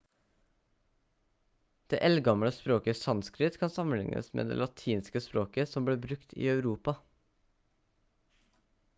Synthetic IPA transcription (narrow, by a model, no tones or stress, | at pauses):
d̪̥ḛːʔɛlɡɑmɽəspɾoːkəsɑnskɾɪt̪kʰɑnsɑmən̩lɪ̰ŋnʔə̰smḛːd̪ḛːlɑt̪ʰiːnskəspɾoːkəsɔmbleːbɾʉkt̪ʰḭːɑʉɾuːpɑ